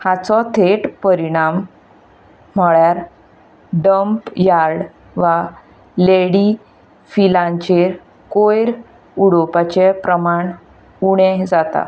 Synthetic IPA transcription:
hat͡sɔt̪ʰeʈpəɾiɽ̃am | əɭjaɾ | ɖəmpjaɾɽ | ʋa | leɽi | filãɲt͡ɕeɾ | kojɾ | uɽopat͡ɕepɾəmaɳ | uɽ̃ɛ̃d͡zat̪a̰

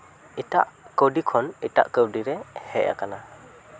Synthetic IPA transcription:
ita̰ʔkəwdikʰɔnita̰ʔkɯwdiɾɛhɛʔa̰kana

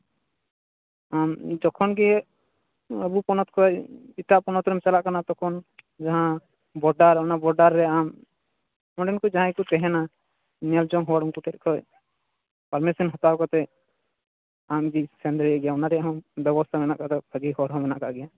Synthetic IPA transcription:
amd͡ʒɔkʰɔnɡɛ | əbupɔnɔt̪kʰɔjit̪aʔpɔnɔt̪ɾɛmt͡ʃalaʔkanat̪ɔkʰɔn | d͡ʒaɦã | bɔɖaɾɔnabɔɾɖaɾːɛam | ɔ̃ɖɛnkɔd͡ʒaɦãkut̪ɛɦɛna | nɛld͡ʒɔŋɦɔwaɽuŋkut̪ɛt̪̚ˀkʰɔj | paɾmɛsinɦɔt̪awkɔt̪ɛ | amɡisɛnd̪ɾijaʔɡɛjaɔnaɾɛjaɦɔ̃bɛbɔst̪ʰamɛnaʔkad̪ɔb̥ʰʱaɡiɦɔɽɦɔ̃mɛnaʔkaʔɡɛja

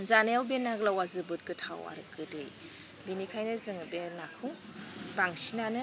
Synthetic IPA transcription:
zanejawbenaɡlawazɯbɯt̚kɯtʰa̰wa̰ɾɯkɯdɯj | binikʰajnɯzɯŋbenakʰɯw | baŋsinanɯ

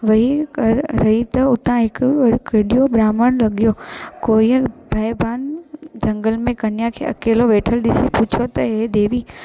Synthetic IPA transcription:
ʋɐɦikɐɾɾɐɦit̪ɐʊt̪ãɦɪkkɪɗijobɾaːməɽ̃lɐɠijokoːibʱɐjbaːnd͡ʒɐ̃ŋɡəlmẽkɐnijakʰḛːʔɐ̰keːloʋeːʈʰəlɗ̪ɪsipuːt͡ʃʰot̪ɐed̪eːʋiː

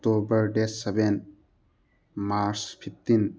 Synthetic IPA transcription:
tobəɾɖeseben | maɾspʰit̪ːin

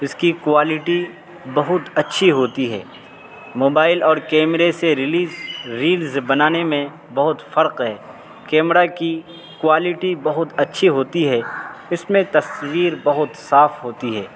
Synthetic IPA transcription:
ɪskikwaːlɪʈi | bɐɦʊt̪ɐtːʃʰiɦoːt̪iɦɛ̰ː | moːbaːɪlɔːɾkɛːmɾeseɾɪliːzɾiːlzbɐnaːnemẽ | bɐɦʊt̪fɐɾqɦɛː | kɛːmɾaki | kwaːlɪʈibɐɦʊt̪ɐtːʃʰiɦoːt̪iɦɛɪsmẽt̪ɐswiːɾbɐɦʊt̪saːfɦoːt̪iɦɛː

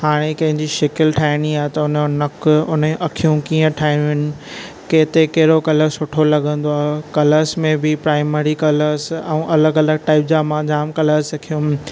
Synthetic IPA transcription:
haːɽ̃ekɐ̃ɦɪ̃ɲd͡ʑiʃɪkɪlʈʰaːɪɽ̃iaːɦet̪ɐʊnənɐkʊnʔɐkʰijũkiːə̃ʈʰaːɪnɦɪnɪ̆ | keːt̪ekɐɦɪɾokɐləɾsɦʊʈʰolɐɠə̃nd̪oaːɦekɐləɾsmẽbɪpɾaːɪmeːɾikɐləɾsɛ̃ːʔɐləɡɐləɡ̚ʈaːɪp̚d͡ʑaːmãd͡ʑaːmkɐləɾsɐkʰijũ

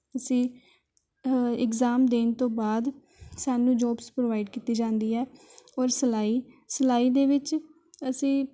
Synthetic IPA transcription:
əsĩː | ɪkzaːmd̪eːnt̪õːbaːd̪ | saːnũːd͡ʒɔːbspɾoːʋaːɪɖkiːt̪iːd͡ʒãːnd̪iːɛːɔːɾsəlaːiː | səlaːiːd̪eːʋɪt͡ʃ | əsĩː

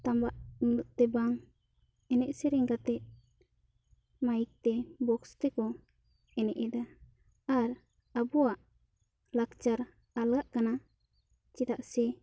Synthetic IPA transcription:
t̪ambaʔnunuʔ̚t̪ɛbaŋ | ɛnɛʔsɛɾɛŋɡat̪ɛʔ̚ | majik̚t̪ɛbɔkst̪ɛkɔ | ɛnɛʔɛd̪a | aɾ | abuwaʔ | lakt͡ʃaɾ | alɡaʔkana | t͡ʃit̪aʔsɛ

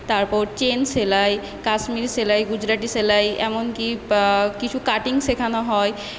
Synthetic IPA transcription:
t̪aɾpɔɾt͡ɕenselaj | kasmiɾselajɡud͡ʑɾaʈiselajɛ̰monkikit͡ɕʰukaʈiŋʃekʰanaɦɔe

